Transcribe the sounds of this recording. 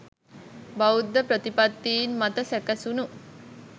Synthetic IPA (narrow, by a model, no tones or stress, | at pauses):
baud̪ːəpɾət̪ipat̪ːiːnmɐt̪əsækəsunu